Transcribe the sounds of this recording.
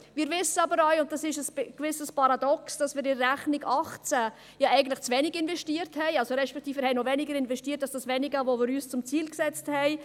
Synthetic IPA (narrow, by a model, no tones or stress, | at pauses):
mɪːɾvɪsəɑbəɾœʏʊnt̚d̥ɑsɪʃəskvɪsəspɑɾɑdɔksd̥ɑsmɪːɾɪːæχnɪɡɑχt͡sæ | jɑɛɪɡən̩tlɪχt͡svɛnɪɡɪnvɛʃtiːəɾthɛɪɑlsoɾɛʃpɛk̚t̪iːfəːɾhɛɪnovɛnɪɡəɾɪnvɛʃtiːətːɑlsd̥ɑsvɛnɪɡəvomɪɾyːst͡sʊmt͡siːlksɛt͡sthɛɪ